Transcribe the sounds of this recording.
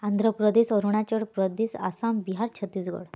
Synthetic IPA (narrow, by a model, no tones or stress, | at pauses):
and̪ʱɾəpɾəd̪esɔɾuɳ̃at͡ɕəɽpɾəd̪esa̰sambiɦaɾt͡ɕʰət̪ːiːsɡɔ̰ɽ